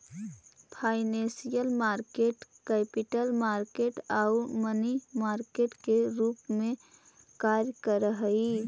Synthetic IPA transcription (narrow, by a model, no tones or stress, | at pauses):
pʰaːɪnẽsijəlmaːɾkeːʈkɛːpiʈəlmaːɾkeːʈaʊmənimaːɾkeːʈkeɾuːpmẽ | kaːɾjəkəɾəɦəi